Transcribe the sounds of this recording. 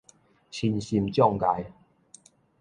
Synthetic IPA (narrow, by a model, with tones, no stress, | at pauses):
ɕʰi˧nɕi˧mt͡ɕjɔ˥˧˨ŋka˨˧j